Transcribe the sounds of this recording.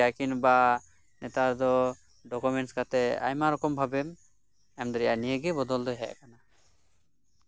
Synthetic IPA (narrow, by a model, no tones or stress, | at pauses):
akinba | nɛt̪ad̪ɔ | ɖɔkumɛnʈskat̪ɛa̰jmaɾɔkɔmbʱabɛm | ɛmd̪ɔɾɛjanijəɡɛbɔd̪ɔld̪ɔɦɛʔkana